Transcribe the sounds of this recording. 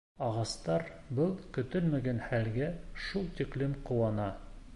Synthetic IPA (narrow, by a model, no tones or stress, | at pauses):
ɑʁɑst̪ɑɾ | bɤlˠkɵ̆t̪ɵlmæɡænhælɡæʃulˠt̪ʲiklimqŭwɑnɑ